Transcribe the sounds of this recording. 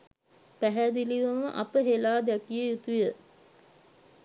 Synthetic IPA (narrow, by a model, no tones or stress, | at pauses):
pæɦæd̪iliʋɐməʔapəɦelaːd̪ɛkijəjut̪ujə